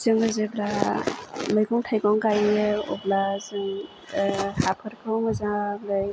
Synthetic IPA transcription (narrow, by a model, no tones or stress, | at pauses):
zɯŋɯzebɾa | mɯjɡɔŋtʰajɡɔŋɡajɯɔ̰blazɯŋ | hapʰɯɾkʰɯwŋɯzaŋblɯj